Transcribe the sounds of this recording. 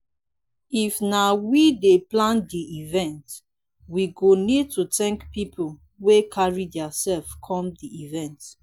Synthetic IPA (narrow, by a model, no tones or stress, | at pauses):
ifnawideplãndiivɛ̃nt | wiɡonid̚tutɛ̃ŋkpipʰol | wekʰaɹidɛasɛlfkʰɔ̃mdiivɛ̃nt